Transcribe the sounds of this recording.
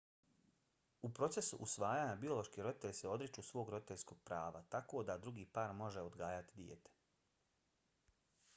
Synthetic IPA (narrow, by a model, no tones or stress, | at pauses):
upɾo̞t̪se̞sṵʔusʋaːjaːɲabio̞lˠo̞ʃkiːɾo̞d̪it̪e̞ʎʲseo̞d̪ɾit͡ʃuːsʋo̞ːɡɾo̞d̪it̪esko̞ːɡ̥̚pɾaːʋat̪ako̞ːd̪ad̪ɾuɡiːpaːɾmo̞ʒeo̞d̪ɡaːjat̪id̪jḛt̪e̥